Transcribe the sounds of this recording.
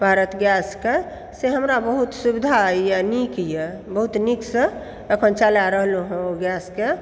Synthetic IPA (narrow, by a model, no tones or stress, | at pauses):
bʱaɾət̪ɡjaske | seɦəmɾabəɦut̪subd̪ʱaijanikije | bəɦut̪niksə | əkʰənt͡ʃalaɾəɦluɦũoɡjaske